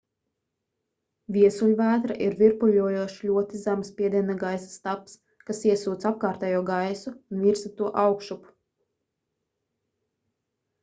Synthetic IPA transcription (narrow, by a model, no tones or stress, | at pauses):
vʲiɛsulʲvæːt̪ɾaʔiɾviɾpuʎuɔjuɔʃlʲuɔt̪izamspʲiɛd̪iɛnaɡajsḁst̪aps | kasiɛsuːt̪sap̚kaːɾt̪ɛjuɔɡajsuunvʲiɾsat̪uɔʔawkʃupu̥